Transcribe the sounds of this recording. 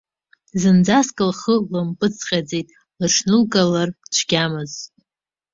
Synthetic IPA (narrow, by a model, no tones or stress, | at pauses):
zɨnd͡zaskʼɨlχəlɨmpʼɨt͡sʰqʲʼad͡zejtʼ | lɨʈ͡ʂʰnɨlkʼalart͡ʃʷʰɡʲamɨz